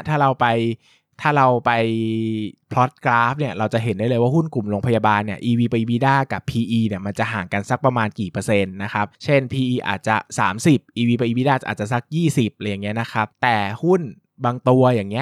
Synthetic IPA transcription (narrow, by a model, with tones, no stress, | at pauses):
t̪ʰaː˥˩ɾa˧wpa˧j | t̪ʰaː˥˩ɾa˧wpa˧j | pʰlɔ˦˥t̪̚kɾaː˦˥p̚ni˥˩ɐɾa˧wt͡ɕa˨˩ɦe˨˩˦ndaː˥˩jlɤː˧jwaː˥˩hu˥˩nku˨˩mɾoː˧ŋpʰa˧jaː˧baː˧nːi˥˩ɐʔiː˧wiː˧pa˧jʔi˧wiː˧daː˥˩ka˨˩pʰːiː˧ʔiː˧ni˥˩ɐma˧nt͡ɕa˨˩ʔɦaː˩˦ŋka˧nsa˦˥k̚pɾa˧maː˧nkiː˨˩pɤ˧se˧nːa˦˥xʰa˦˥p̚t͡ɕʰe˥˩npʰiː˧ʔiː˧ʔa̰ː˨˩t̪̚t͡ɕa˨˩saː˩˦msi˨˩p̚ʔiː˧wiː˧pa˧jʔiː˧wiː˧daː˥˩a̰ː˨˩t̪̚t͡ɕa˨˩sa˦˥k̚jiː˥˩si˨˩p̚ʔla˧˩ja˨˩ŋːi˦˥ɐ˧na˦˥kʰa˦˥p̚t̪ɛː˨˩hu˥˩n | baː˧ŋt̪u˧ɐjaː˨˩ŋːi˦˥ɐ